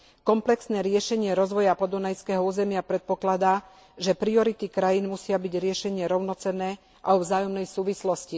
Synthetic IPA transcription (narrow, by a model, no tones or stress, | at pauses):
kɔmplɛksnɛːɾɪɛʃɛɲɪɛɾɔzʋɔjapɔd̪unajskɛːɦɔuːzɛmɪapɾɛt̪̚pɔklad̪aː | ʒɛpɾiɔɾit̪ikɾajiːnmusɪabiɟɾɪɛʃɛɲɪɛɾɔʊnɔt͡sɛnɛː | ʔaɔvzaːjɔmnɛjsuːʋislɔsci